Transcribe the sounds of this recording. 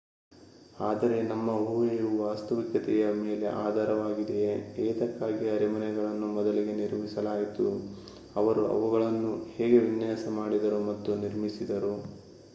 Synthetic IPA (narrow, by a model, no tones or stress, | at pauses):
aːd̪ɐɾe̞nɐmːɐɦuːʋeɾuʋaːst̪ɐʋikjɐt̪ɛjɐmeːle̞̰ʔaːd̪ʱaːɾɐʋaːɡid̪eɛːd̪ɐkːaːɡiɐɾimɐnɛɡɐɭɐnːumɔd̪ɐliɡe̞niɾmisɐlaːjit̪u | ɐʋɐɾuʔɐ̰ʋuɣɐɭɐnːuhɛːɡe̞ʋinjaːsɐmaːɽid̪ɐɾumɐt̪ːuniɾmisid̪ɐɾu